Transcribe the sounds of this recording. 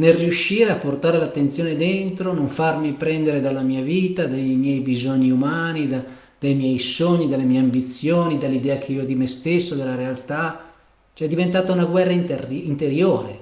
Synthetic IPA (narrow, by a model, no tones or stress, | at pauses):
nelriuʃːiːɾeapːort̪aːɾelat̪ːent̪sjoːned̪ent̪ɾonoɱfarmipɾɛnd̪eɾed̪alːamiːaviːt̪ad̪ajmjɛjbizoɲːiumaːnid̪a | d̪̥ajmjɛjsoɲːid̪alːemiɛjeambit̪sːjoːnid̪alːid̪ɛːakʰeiːod̪imest̪esːod̪elːaɾealt̪a | t͡ʃɛd̪ːivent̪aːt̪aunaɡwɛrːainint̪eɾjoːɾe